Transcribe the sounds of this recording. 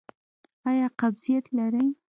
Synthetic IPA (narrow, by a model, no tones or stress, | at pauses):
ɑjɑqabzijat̪laɾaj